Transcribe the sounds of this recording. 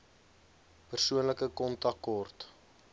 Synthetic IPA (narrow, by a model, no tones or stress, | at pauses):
pərsuənləkəkɔntɐkɔrt